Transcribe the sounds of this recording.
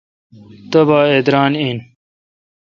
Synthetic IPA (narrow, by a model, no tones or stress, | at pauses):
t̪ɐbaːed̪ɾaːniːn